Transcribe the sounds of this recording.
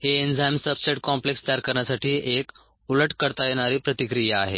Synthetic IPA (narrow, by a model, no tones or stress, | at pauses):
heend͡zajmsəbseʈkɔ̃mplekst̪ajaɾkəɾɳjasaʈʰiːʔek | uləʈkəɾt̪ajeɽ̃aɾiːpɾət̪ikɾijaaɦḛ